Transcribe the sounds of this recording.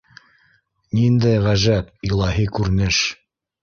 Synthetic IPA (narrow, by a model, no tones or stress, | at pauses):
nind̪æjʁæʒæp̚ilˠɑɦikʉɾɘnɘʃ